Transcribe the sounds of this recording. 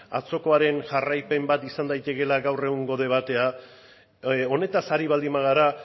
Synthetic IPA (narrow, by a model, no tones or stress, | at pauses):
a̰t͡so̞ko̞aɾe̞nʝarajpe̞mbat̪isand̪ajt̪e̞ke̞laɡawre̞ɣuŋɡo̞ðe̞β̞at̪e̞a | o̞ne̞t̪asaɾiβ̞ald̪imaɣ̞aɾa